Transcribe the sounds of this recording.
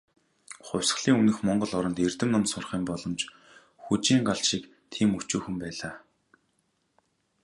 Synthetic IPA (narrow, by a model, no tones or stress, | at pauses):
χʊwʲsə̥̆ɮiːŋunɘ̆xmɔɴɢɞ̆ɮɔɾɞ̆nt̪ert̪ɘ̆mnʊmsʊrχiːmpɔɮɞ̆mt͡ɕ | xut͡ɕiːŋɢaɮʃik | t̪ʰiːmɵt͡ɕuːxɘ̆mpæːɮaː